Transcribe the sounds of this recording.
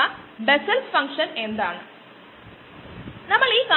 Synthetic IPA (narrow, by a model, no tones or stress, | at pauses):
ɐbesɐlfɐŋkʂɐnend̪aːɳɨ | nɐmːɐɭiːka